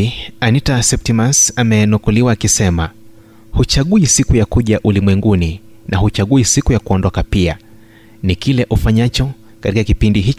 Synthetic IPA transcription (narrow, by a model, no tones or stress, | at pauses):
anitasɛp̚timasamɛnɔkɔliwaːkisɛma | hut͡ʃaɠuisikujakuʄaʔulimwɛŋɡuni | nʔahut͡ʃaɠuisikujakuɔndɔkapia̰ | nikilɛʔufaɲat͡ʃɔ | katikakipindiɦit͡ʃ